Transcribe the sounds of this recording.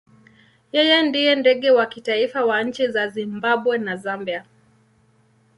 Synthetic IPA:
jɛjɛndijɛndɛɠɛwakitaifawaɲ̩t͡ʃizazimbaɓwɛnazambia

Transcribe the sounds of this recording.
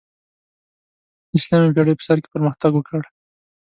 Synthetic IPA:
ɪslamibjaɽepə̥saɾke̥pəɾməxt̪aɡwəkəɽ

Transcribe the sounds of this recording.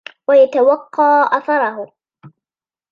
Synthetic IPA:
wajat̪awɑqːɑːʔɑθɑɾˤɑɦʊ

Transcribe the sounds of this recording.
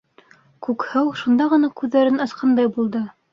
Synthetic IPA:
kʉkhɘwʃund̪ɑʁɤ̆nɑkʉðːæɾɘnɑ̆sqʰɑnd̪ɑjbulˠd̪ɤ

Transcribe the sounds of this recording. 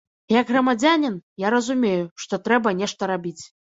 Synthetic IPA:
jɐɡɣrɐmad͡zʲanʲinjaɾɐzumʲejuʂt̪ɔt̪ɾɛbɐnʲɛʂt̪ɐɾabʲit͡sʲ

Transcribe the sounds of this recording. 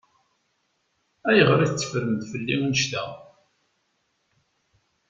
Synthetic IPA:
æjəʁɾiθt͡sːə̥fɾəmd̪fəlːiunəʃt̪æ̰

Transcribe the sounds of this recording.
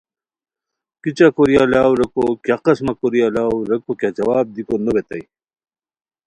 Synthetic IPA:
kit͡ɕakoɾijalaːwɾɐkokaqɐsmakoɾijalaːwɾɐkokjad͡ʑɐwaːb̚d̪ikonobet̪ɐ̰j

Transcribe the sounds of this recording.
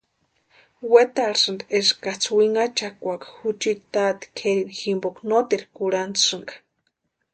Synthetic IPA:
wet̪aɾsɨnd̪eskat͡sʰwiŋat͡ʃakʷakḁhut͡ʃiɾt̪at̪i̥kʰeɾiniximboknot̪iɾkuɽant͡sʂɨŋɡḁ

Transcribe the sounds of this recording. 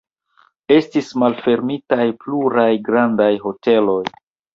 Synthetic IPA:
e̞stismalfe̞ɾmitajpluɾajɡɾandajɦo̞te̞lo̞j

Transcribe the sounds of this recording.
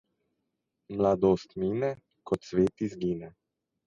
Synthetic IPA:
mlad̪oːst̪miːnɛ | kɔt̪sʋeːt̪izɡiːnɛ

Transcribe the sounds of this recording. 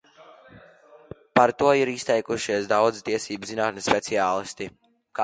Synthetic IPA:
paɾt̪uɔiɾist̪ɛjkuʃiɛsd̪awd̪zit̪iɛsiːbzinaːt̪nspɛt̪siaːlˠist̪i | kː

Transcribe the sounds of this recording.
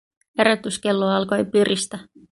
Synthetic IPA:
heɾæt̪yske̞lːoɑlko̞jpyrist̪æ

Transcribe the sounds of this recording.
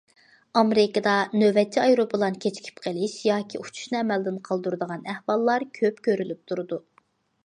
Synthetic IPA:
ɑmeɾɪkəd̪ɑnøvɛt͡ʃʰːiɑjɾobɨlˠɑnkʲʰet͡ʃʰi̥kʲʰi̥pqʰəlɪʃjɑːkʲʰiut͡ʃʰu̥ʃnɨɛmɛld̪ɪnqʰɑlˠd̪uɾɨd̪əʁɑnæhwɑlˠːɑɾkʲʰøpkʲʰøɾylyp̚t̪ʰuɾɨd̪u

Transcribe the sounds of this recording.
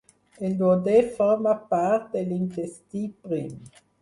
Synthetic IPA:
eld̪wod̪efɔʁmapaɾt̪̚d̪elintest̪ipʁim

